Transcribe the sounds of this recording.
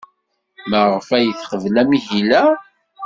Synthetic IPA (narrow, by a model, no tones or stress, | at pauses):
məʁəfæjəθχəvlæmiçilæ